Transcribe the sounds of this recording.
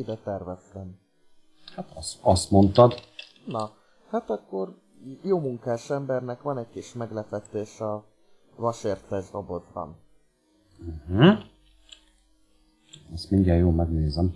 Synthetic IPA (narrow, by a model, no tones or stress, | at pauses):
id̪ɛt̪ɛrvɛst̪ɛm | hat̪ɒsɒst̪mont̪ɒd̪nɒ | hat̪ɒkːo̞r | joːmuŋkaːʃɛmbɛrnɛkʋɒnɛckiʃmɛɡlɛpɛt̪ːeːʃɒ | vɒʃeːrt̪ɛʒd̪obo̞zbɒ̰n | h̩ | ɛst̪minɲdɛjjoːlmɛɡneːzɛm